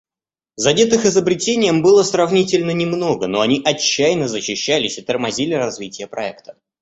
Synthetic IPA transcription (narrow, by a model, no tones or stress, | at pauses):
zɐdʲet̪ɨxɪzəbɾʲɪtʲenʲɪjəmbɨlˠəsrɐvnʲitʲɪlʲnənʲɪmno̞ɡəno̞ɐnʲiʔɐt͡ɕːæjnəzəɕːɪɕːælʲɪsʲɪt̪ərmɐzʲilʲɪɾɐzvʲitʲɪjəpɾɐɛkt̪ə̥